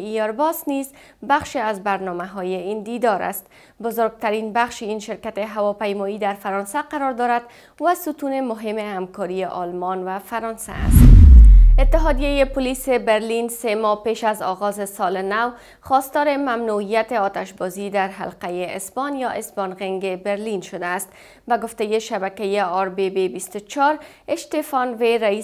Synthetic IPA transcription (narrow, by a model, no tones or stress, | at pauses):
iɔɾbɔsniz | baχʃeazbaɾnɒmaɦɒjeind̪id̪ɒɾa̰st̪ | bʊzʊɾɡ̚t̪aɾinbaχʃeinʃeɾkat̪eɦawɒpajmɔid̪aɾfaɾɒnsaqaɾɔɾd̪ɒɾad̪ | vasut̪unemʊɦɪmehamkɒɾieʔɒlmɒnvafaɾɒnsa̰ːst̪ɪt̪ːɪɦɒd̪ijejepʊlisebeɾlinsemɒpeʃazɒɣɒzesɒlenaw | χɒst̪ɒɾɪmamnuijat̪eɒt̪aʃbɔzid̪aɾɦa̰lqajeɪsbɒnjɒʔɪsbɒnɣeŋɡebeɾlinʃod̪aːst̪ | baɡoft̪ejeʃabakajeɒɾbebebist̪ʊt͡ʃɒɾ | ɪʃt̪efɒnveɾai